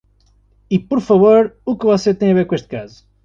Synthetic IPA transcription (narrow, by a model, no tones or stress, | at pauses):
ipɔɾfɐvoɾukɨvɔset̪ɐ̃j̃ɐveɾkõeʃt̪̚kazu